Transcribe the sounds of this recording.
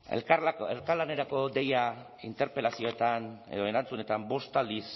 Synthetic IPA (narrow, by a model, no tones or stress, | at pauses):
ḛelkaɾlane̞ɾako̞d̪e̞ja | int̪e̞ɾpe̞lasio̞et̪ane̞̰ðo̞e̞ɾant͡sune̞t̪ambo̞st̪ald̪is